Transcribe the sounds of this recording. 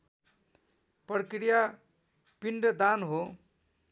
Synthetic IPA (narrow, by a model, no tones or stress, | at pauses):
pɾkɾija | piɳɖʌd̪anɦo